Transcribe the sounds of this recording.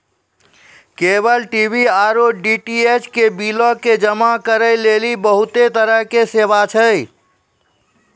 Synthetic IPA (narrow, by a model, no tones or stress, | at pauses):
kebəlʈibʱiaɾoɖiʈiet͡ʃʰkebilɔked͡ʒəmakəɾəjlelibəɦut̪et̪əɾəɦkesebat͡ʃʰə